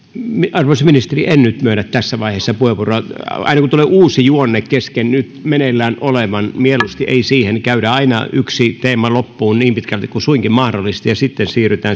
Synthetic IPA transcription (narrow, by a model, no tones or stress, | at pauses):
miɑrʋɑisminist̪eriʔennyt̪myønæt̪t̪æsːæʋɑiheːˑsːɑpueʋuroɑ̰inɑkut̪uleːʔuːsijuonːekkeskennyt̪menelːæːnoleʋɑnmielust̪iʔḛisiːhenkæyɾæɑinɑ̰yksit̪eːmɑlopːuːnniːmpit̪kælt̪ikkusuiŋkimmɑhdolːˑist̪ijɑsit̪ːensiːryt̪æː